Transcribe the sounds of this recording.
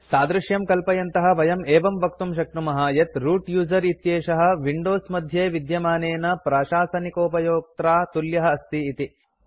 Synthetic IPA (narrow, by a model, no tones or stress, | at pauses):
saːd̪ɾɪʃjɐmkɐlpɐjɐnt̪ɐɦɐ̆ʋɐjɐmeːʋɐmʋɐk̚t̪umʃ̬ɐk̚ʈumɐɦaːjɐt̪ɾuːʈjuːzɐɾit̪jeːʃɐɦɐ̆ʋiɳɖoːsmɐd̪ʱjeːʋid̪jɐmaːneːnɐpɾaːʃaːsɐnikoːpɐjoːk̚t̪ɾaːt̪uljɐɦɐ̆ːst̪iːt̪i